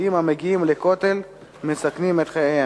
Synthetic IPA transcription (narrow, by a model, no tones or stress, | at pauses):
imameɡiimleko̞t̪e̞l | mesaknimet̪χejeja